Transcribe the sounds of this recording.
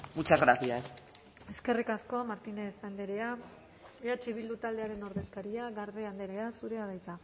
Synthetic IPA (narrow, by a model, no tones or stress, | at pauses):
mut͡ʃazɣɾaθias | e̞ske̞rikasko̞maɾt̪ine̞θand̪e̞ɾe̞a | iɾat͡ʃiβ̞ild̪ut̪ald̪e̞aɾe̞no̞ɾðe̞skaɾiaɣaɾðe̞and̪e̞ɾe̞asuɾe̞aðajt͡sa